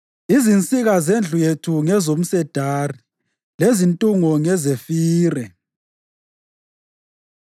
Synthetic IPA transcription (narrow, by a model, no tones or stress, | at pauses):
izint͡sʼiɣazend͡ɮʱujetʰuŋɛzom̩sɛd̥ʱaːri | lezintʼuŋɔŋɛzefiːrɛ